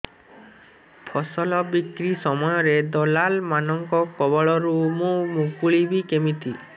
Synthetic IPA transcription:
pʰɔsɔlɔbikɾisɔmɔjɔɾed̪ɔlalmanɔŋkɔkɔbɔɭɔɾumũmukuɭibikemit̪i

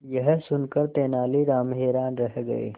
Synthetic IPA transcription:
jɐɦsʊnkəɾt̪eːnaːliɾaːmɦeːɾaːnɾɐɦɡɐ̰ḛː

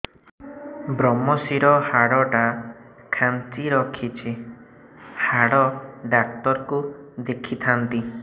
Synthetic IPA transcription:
bɾɔmɔsiɾɔhaɽɔʈa | kʰant͡ʃiɾɔkʰit͡ʃʰi | haɽɔɖak̚ʈɔɾkud̪ekʰit̪ʰant̪i

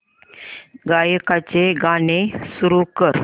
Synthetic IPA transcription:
ɡajkat͡ɕeɡanesuɾukəɾ

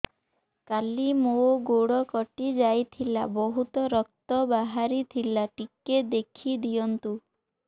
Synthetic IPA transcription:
kalimoɡoɽɔkɔʈid͡ʒajt̪ʰila̰bɔɦut̪ɔɾɔk̚t̪ɔbaɦaɾit̪ʰilaʈiked̪ekʰid̪ijɔnt̪u

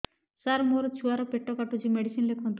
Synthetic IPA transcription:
saɾmoɾot͡ʃʰuaɾɔpeʈːɔkaʈud͡ʑimeɖisinlekʰɔnt̪

